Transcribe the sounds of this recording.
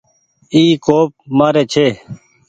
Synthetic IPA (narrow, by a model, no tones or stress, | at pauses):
iːkoːp̚maːɾeːt͡ʃʰeː